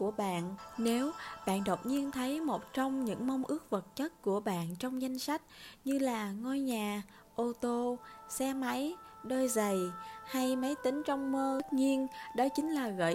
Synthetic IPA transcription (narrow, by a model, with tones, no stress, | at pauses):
ku˧˩əɓa̰ː˧˨nne˨˦wɓa̰ː˧˨nɗə˨˩wk͡p̚ɲi˧ənt̪ʰə˨˦jmo˨˩t̚t͡ɕɔ˧wŋ͡mɲɨ̰˧˥ŋma˧wŋ͡mʔɨ˦˥ək̚və˨˩t̚t͡ɕə˦˥t̚ku˧˩əɓa̰ː˧˨nt͡ɕɔ˧wŋ͡mza˧jŋ̟sa˦˥k̟̚ɲɨ˧laː˨˩ŋo˧jɲaː˨˩ | ʔo˧t̪o˧sɛ˧ma˨˦jɗoː˧jzə˨˩jha˧jmə˨˦jt̪ï˨˦ŋ̟t͡ɕɔ˧wŋ͡mməː˧˥t̚ɲi˧ənɗɔ˨˦t͡ɕï˨˦ŋ̟laː˨˩ɣə̰˧˨